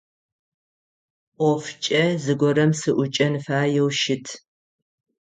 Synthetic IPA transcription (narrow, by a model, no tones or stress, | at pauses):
ʔʷɔft͡ʃʼɐzɨɡʷɔrɐmsɨʔʷʊt͡ʃʼɐnɨfaːjɛwʃɪtʰ